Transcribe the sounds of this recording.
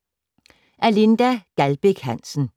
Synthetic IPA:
ʔælind̥æɡ̥ælb̥eɡ̥hæn̰sn̩

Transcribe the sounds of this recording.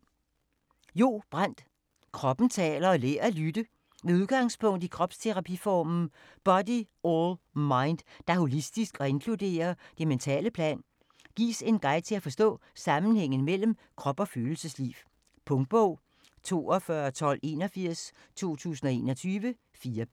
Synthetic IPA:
jo̝̰ːb̥ʁan̰d̥ | kʰʁɒ̽b̥n̩t͡sʰɛ̰ːlɐɒ̽lḛːɐlyd̥ə | ʋeuð̞ˠɡ̥ɑ̈ŋspʰɔ̽ŋ̰d̥ikʰʁɒ̽b̥st͡sʰe̝ʁɑ̈pʰifɒːmn̩ | b̥ɒ̽di | olmɑ̈ɪnd̥d̥ɑ̈ho̝lisd̥isɡ̥ɒ̽e̝nkʰlud̥e̝̰ːɐd̥e̝ment͡sʰɛ̰ːləpʰlɛ̰ːn | ɡ̥ḭːse̝nɡ̥ɑ̈ɪ̰t͡sʰe̝læfɒ̽sd̥ɔ̰̽ː | sɑ̈mn̩heŋ̰n̩mel̰m̩kʰʁɒ̽b̥ɒ̽føːl̩səslḭw | pʰɔ̽ŋd̥̚b̥ɔʊ̰ | t͡sʰo̝̰ːɒfɶɐt͡sʰɒ̽l̰e̝̰ːnɒfiɐ̰s | t͡sʰo̝̰ːt͡sʰṵːsn̩ɒ̽e̝ːnɒ̽t͡sʰyːʋə | fiːɐ

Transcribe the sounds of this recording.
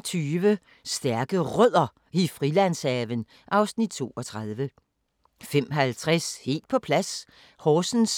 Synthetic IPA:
t͡sʰyːʋə | sd̥æɐɡ̥əʁœð̰ˠɐ | ifʁilæn̰sɛːʋən | ʔɑ̈ʊsnid̥̚t͡sʰo̝̰ːɒ̽t͡sʰʁɑ̈ð̞ˠʋə | fem̰ɦælt͡sʰʁɛshe̝̰ːld̥̚pʰɒ̽pʰlæs | hɒːsn̩s

